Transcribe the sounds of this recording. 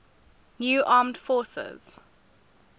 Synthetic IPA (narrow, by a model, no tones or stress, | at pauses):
njuːʔɑːmdfɔːˑsə̰z̥